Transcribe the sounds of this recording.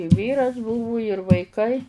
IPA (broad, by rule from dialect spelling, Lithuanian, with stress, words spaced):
ɪ ˈʋʲiːrɐs ˈbʊʋʊ ɪr ʋɐɪˈkɐɪ